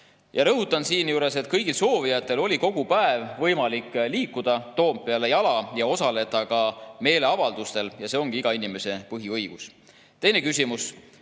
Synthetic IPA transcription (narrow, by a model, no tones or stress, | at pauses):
jɑɾɤɦut̪ːˑɑnsiːnjuːɾe̞se̞t̪kɤjɡ̥ilso̞ːvijɑt̪ːˑe̞lo̞lʲiko̞ɡ̥upæevvɤjmɑlikːˑliːkːud̪̥ɑt̪o̞ːb̚pe̞ɑle̞jɑlɑjɑo̞sɑle̞d̪ɑkɑme̞ːle̞ɑvɑld̪ust̪e̞ljɑse̞o̞ŋɡ̥iiɡ̥ɑinime̞se̞pɤɦiɤjɡ̥us | t̪e̞jne̞kysʲimus